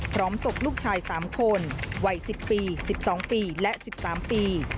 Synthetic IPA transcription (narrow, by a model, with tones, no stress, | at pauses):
pʰɾɔː˦˥mso˨˩k̚luː˥˩k̚t͡ɕʰaː˧jsaː˩˦mkʰo˧nwa˨˩jsi˨˩pːiː˧si˨˩p̚sɔː˩˦ŋpiː˧lɛ˦˥ʔsi˨˩p̚saː˩˦mpiː˧